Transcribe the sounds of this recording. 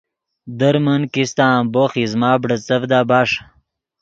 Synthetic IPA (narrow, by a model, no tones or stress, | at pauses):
d̪əɾmənkist̪amboxizmaːbɽət͡səvd̪aːbaːʂ